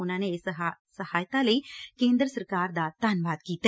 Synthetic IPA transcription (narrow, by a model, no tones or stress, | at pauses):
ʊnãːnessəhaːjt̪aːləiːkẽːnd̪ɾəsəɾkaːɾd̪aːt̪aːnʋaːd̪kiːt̪